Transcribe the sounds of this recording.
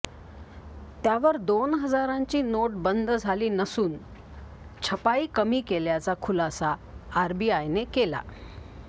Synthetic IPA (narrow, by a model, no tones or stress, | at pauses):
t̪jaʋəɾd̪onɦəd͡zaɾãɲt͡ɕiːnoʈbənd̪ʱd͡zʱaliːnəsuːn | t͡ɕʰəpaiːkəmiːkeljat͡sakʰulasaː | ɾbiajnekela̰